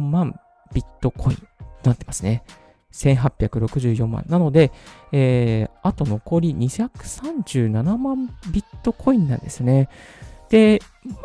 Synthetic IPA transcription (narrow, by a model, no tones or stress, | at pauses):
mãm | b̥ʲit̪ːo̞kʰo̞ḭ̃nt̪onat̪ːe̞masɨne | sẽ̞ɰ̃ɦapʲːjakɯ̟ɾo̞kɯ̟ʑɨːjõ̞mːã̰nːano̞d̪e̞eat̪o̞no̞ko̞ɾʲiɲ̟içakɯ̟̥sãɲ̟d͡ʑɨːnanamãmbʲit̪ːo̞kʰo̞ĩnːã̰nd̪e̞sɨne̞d̪̥e̞